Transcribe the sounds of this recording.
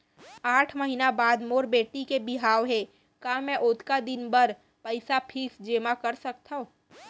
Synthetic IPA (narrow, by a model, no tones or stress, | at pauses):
aːʈʰməɦiːnabaːd̪moːɾbeːʈikebɪɦaːʋɦe | kaːmɛ̃ʔoːt̪kad̪ɪnbəɾ | pəɪsapʰiːsd͡ʒeːmakəɾsɐk̚t̪aɦõː